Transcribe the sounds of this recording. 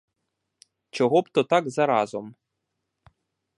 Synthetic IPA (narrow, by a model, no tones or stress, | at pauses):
t͡ʃɔɦɔpt̪ɔt̪ɑɡzɐɾɑzɔm